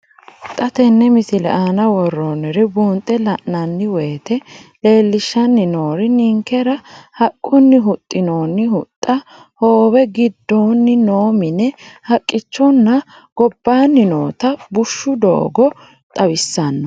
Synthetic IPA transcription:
t̪ʼɐt̪ɛnːɛmɪsɪlɛ̰ʔaːnɐwɔrːoːnɛɾɪbuːnt̪ʼːɛlɐʔnɐnːɪweːt̪ɛle̞ːlːɪʃːɐnːɪno̞ːɾɪnɪŋkɛɾɐhɐkʼːʊnːɪɦʊt̪ʼːɪno̞ːnːɪhʊt̪ʼːɐ | hoːwɛɡɪd̪ːoːnːɪnoːmɪnɛhɐkʼːɪt͡ʃːɔnːɐ | ɡ̥ɔbːaːnːɪno̰ːt̪ɐbʊʃːʊd̪o̰ːɡɔ | t̪ʼɐwɪsːɐnːɔ

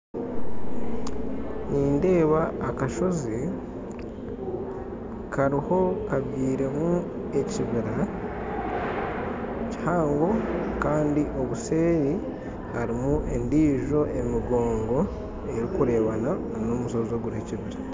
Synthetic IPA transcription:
niːnde̞ːβaːkaʃo̞zi | kʰaɾiho̞kaβjiːɾe̞mu | e̞ciβiɾa | ci̥haːŋɡo̞kaːndiʔo̞βuse̞ːɾi | haɾimuʔe̞ndiːʒo̞ʔe̞miɡo̞ːŋɡo̞ | e̞ɾikuɾe̞ːβanananoːmusozoɡuɾeciβiɾa

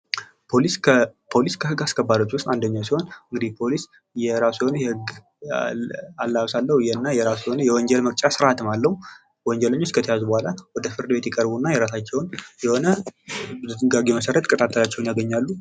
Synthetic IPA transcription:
pʰolispʰo̞liskʰəhɨɡaskʰəbːad̪o̞t͡ʃːwʊst̪ʼand̪əɲːawsiho̞nɨŋɡɨd̪ipʰo̞lis | jɛɾasiho̞nəjɛhɨɡ | alːaβsalːəhujɛnːajɛɾassiho̞nəjɛwɔɲd͡ʒɛlmək̚ʼt͡ʃʼasɨɾʔat̪ɨmalːəhu | wɔɲd͡ʒɛləɲːo̞t͡ʃːkʰət̪ʰəjazubohʷalawɔd̪əfɨɾd̪ɨbe̞t̪jɛkʼəɾbunːajɛɾasat͡ʃːɛwnjɛho̞nəbɨzut̪ɨɡaɡeməsəɾət̪kʼət̪ʰʼat̪ʰːəlat͡ʃːɛwnjaɡəɲːalːu

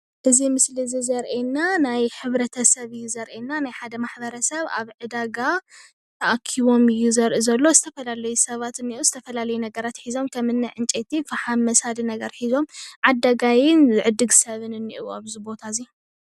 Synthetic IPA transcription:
ʔɨzimɨslizizɐɾʔenːanajħɨβɾɐt̪ʰɐsɐβɨjːuzɐɾʔenːanajħad̪ɐmaħbɐɾɐsɐβa̰βʕɨd̪aɡa | t̪ʰɐʔakʰiβo̞mɨjːuzɐɾʔuzɐlːo̞zɨt̪ʰɐfɐlalɐjusɐβat̪ɨnːiʔuzɨt̪ʰɐfɐlalɐjunɐɡɐɾat̪ħizo̞mkʰɐmɨnːajʕɨnt͡ʃʼet̪ifaħamːɐsad̪inɐɡɐɾħizo̞mʕad̪ːaɡajɪnzɨʕɨd̪ɨɡsɐβɨnɨnːiʔuaβzibo̞t̪ʰazi

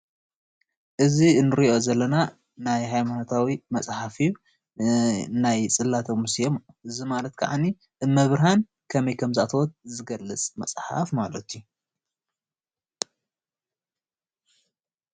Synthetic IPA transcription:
ʔɨzinːɨɾiʔo̞zɐlːɐna | najɦajmanot̪ʰawimɐsʼħafiju | najt͡sʼɨlːat̪ʰomɨsjom | ɨzimalɐt̪kʰa̰ʕa̰ni | ɨmɐβɾhan | kʰɐmɐjkʰɐmzɨat̪ʰɐwɔt̪̚zɨɡɐlːɨt͡sʼmɐ̰sʼħa̰fmalɐt̪ʰju

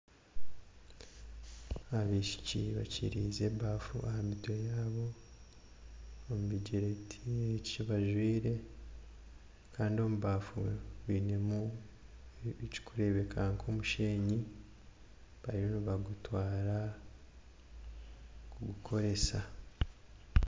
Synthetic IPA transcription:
aβiʃi̥cḭβa̰cḭɾiːze̞baːfṵʔahamito̞jaːβo̞ | muβiɟeɾetʰieciβaʒwiːɾe̞ | kʰaːndio̞muβaːfuβine̞mu | ci̥kʰuɾe̞βe̞kʰaŋkʰomuʃe̞ːɲi | βaɾiɾoniβaɡutwaːɾa | kuɡukʰo̞ɾe̞sa

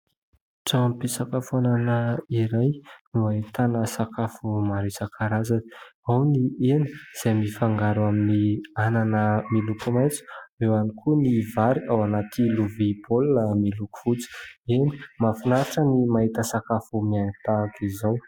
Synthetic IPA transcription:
ʈ͡ʂampisakafuananaiɾajnuait̪anəsakafumaɾisakʰaɾazaawnieni̥z̥ajmifaŋɡaɾuaminiananəmilukumajt͡su̥ewanikʰunivaɾiawanat̪iluvibolnamiluku̥fut͡si̥eni̥mafinaaʈ͡ʂənimaɦit̪əsakafumianit̪akizaw

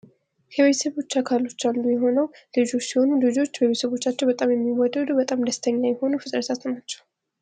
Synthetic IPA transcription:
jʰɛβet̪ʰəsəβo̞t͡ʃːakʰalo̞t͡ʃːalːujɛɦo̞nəwlɨd͡ʒo̞t͡ʃːsiho̞nulɨd͡ʒo̞t͡ʃːbəβet̪səβo̞t͡ʃːat͡ʃːɛwbət̪ʼamjɛmːiwɔd̪əd̪ubət̪ʼamd̪əst̪ʰəɲːajɛho̞nufɨt̪ʼɾəsʰat̪nat͡ʃːɛw

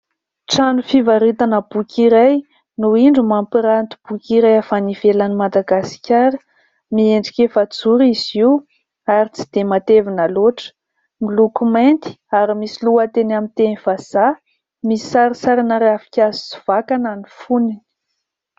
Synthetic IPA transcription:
ʈ͡ʂanufivaɾit̪anəb̥ukʲʰiɾaj | nuiɳɖ͡ʐumampiɾant̪u̥b̥ukʲiɾajafaniv̥elanimad̪aɡasi̥kʲaɾə̥ | mieɳɖ͡ʐi̥kʲefat͡suɾiziw | aɾit͡si̥d̪̥emat̪evinəloʈ͡ʂə̥ | milukument̪i̥aɾimisiluət̪enamint̪eniv̥az̥a | misi̥saɾisaɾanaɾeafi̥kʲazi̥si̥v̥akananifuni

